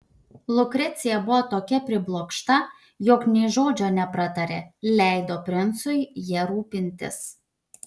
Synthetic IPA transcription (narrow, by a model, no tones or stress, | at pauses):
lˠʊkɾʲɛt̪sʲɪjɛbʊʋoːt̪oːkʲɛpʲɾʲɪblˠoːkʃt̪ɐ | joːknʲɛɪʒoːd͡ʒʲoːnʲɛpɾɐt̪ɐɾʲḛːlʲæˑɪd̪oːpʲɾʲɪnt̪sʊɪjɛɾuːpʲɪnʲt̪ʲɪ̰s